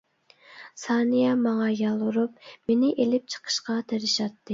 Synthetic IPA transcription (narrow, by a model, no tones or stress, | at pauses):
sɑːnijɑmɑŋɑjɑlˠuɾup̚menɪʔelɪp̚t͡ʃʰə̥qʰə̥ʃqɑt̪ʰeɾɪʃɑt̪ʰːɨ